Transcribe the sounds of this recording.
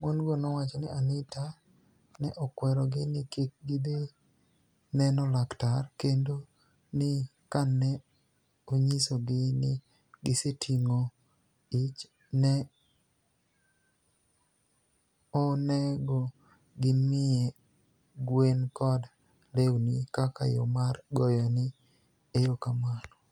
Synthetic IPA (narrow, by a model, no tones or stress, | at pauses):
monɡonɔwat͡ʃɔnɪanɪta | nɛʔɔkwɛɾɔɡɪnɪkek̚ɡɪd̪e | nɛnɔlaktarkendo | nɪkanːɛ | oɲisoɡɪnɪ | ɡɪsetʰiŋo | it͡ʃ | nɛ | ɔnɛɡɔ | ɡɪmɪe | ɡwenkɔd | lewnikaka̰jo̰marɡɔjɔnɪ | ejokamanɔ